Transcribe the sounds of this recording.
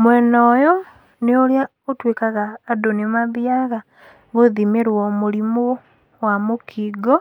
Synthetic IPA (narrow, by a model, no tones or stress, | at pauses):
mwenoːjo | neolja | otweːkaɣaːdonimaβjaɣa | ɡoðimeɾwomuɾimo | wamokʰiːɡo